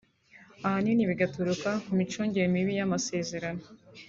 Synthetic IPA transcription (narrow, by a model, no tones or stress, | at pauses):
ahaniniβiɡatuɾukakumit͡ʃuːɲɟeɾmiβijamase̞ːze̞ɾano